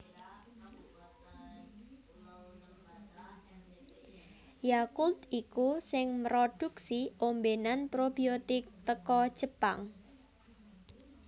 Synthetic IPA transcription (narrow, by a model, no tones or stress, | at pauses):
jakult̪ikusɪŋməɾod̥uksiombenanpɾobiot̪ɪk̚t̪əkɔ̥ʒ̥əpa̰ŋ